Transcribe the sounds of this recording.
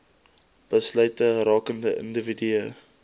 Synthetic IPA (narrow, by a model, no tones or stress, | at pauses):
b̥əslœɥtəɾɑːkəndəʔə̰ndəvidyə